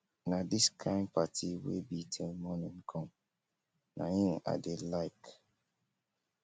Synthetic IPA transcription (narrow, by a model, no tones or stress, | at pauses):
nadiskʰãɪ̃n̚patʰiwḛbitʰelmɔnĩnkʰɔ̃m | nʔa̰hĩna̰delaɪk